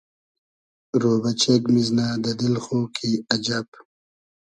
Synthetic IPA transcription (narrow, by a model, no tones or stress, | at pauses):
ɾoːbɐt͡ʃekmiznaːd̪ɐd̪ilxoːkʰiɐd͡ʒɐb